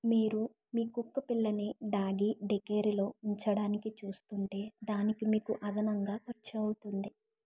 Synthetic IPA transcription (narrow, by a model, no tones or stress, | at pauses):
miːɾu | miːkukːɐpilːɐniɖaːɡiɖekeːɾilo̞ːuɲt͡ʃɐɽaːnikit͡ʃuːst̪uɳʈe̞ːd̪aːnikimiːkuʔɐd̪ɐnɐŋɡaːkɐɾt͡ʃɐwut̪und̪i